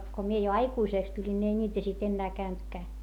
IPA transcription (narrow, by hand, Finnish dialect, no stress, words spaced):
ko mie jo ɑikuiseˑks tulʲin nʲi ei nʲiːtæ sit enːæː kæyntkæː